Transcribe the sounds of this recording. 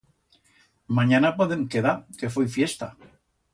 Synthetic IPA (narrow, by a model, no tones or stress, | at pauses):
mãɲanapoðeŋkeðakefojfjest̪a